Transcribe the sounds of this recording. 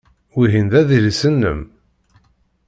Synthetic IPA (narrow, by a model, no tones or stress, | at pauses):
wiɦinðæðilisənːə̰m